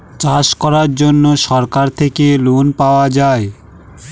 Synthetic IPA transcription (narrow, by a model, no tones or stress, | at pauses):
t͡ɕaʃkɔɾaɾd͡ʑonːoʃɔɾkaɾt̪ʰekelonpaoad͡ʑae